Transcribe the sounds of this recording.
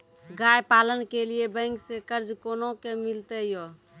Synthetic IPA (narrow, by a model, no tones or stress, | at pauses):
ɡajpalənkelijebə̃ŋksekəɾd͡ʒkonokemilt̪ɛjo